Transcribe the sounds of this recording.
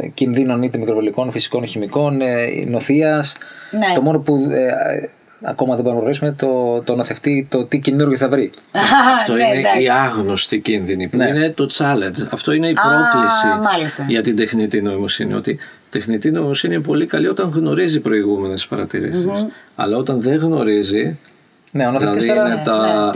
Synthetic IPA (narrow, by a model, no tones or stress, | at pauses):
cinðino̞nit̪emikɾovoliko̞nfisi̥ko̞nçimiko̞n̰no̞θiɐsnt̪o̞mo̞no̞pue | ɐ̰ko̞mɐðeboɾnmɐpɾɾisume̞t̪ot̪onoθe̞ft̪it̪o̞t̪icinuɾʝiθɐvɾiɐft̪o̞ineiɐɣno̞st̪icinðinipuine̞t̪o̞t͡sɐlend͡ʒɐft̪o̞ineipɾo̞klisiɐlist̪ɐʝɐt̪ind̪e̞xnit̪ino̞imo̞sinḭo̞̰t̪i | t̪e̞xnit̪ino̞imo̞siniinpo̞likɐlio̞t̪ɐŋɣno̞ɾizipɾo̞iɣume̞nespɐɾɐt̪iɾḭsisɐ̰lɐo̞t̪ɐnðeɣno̞ɾizi | neonoθelfɐðinet̪ɐ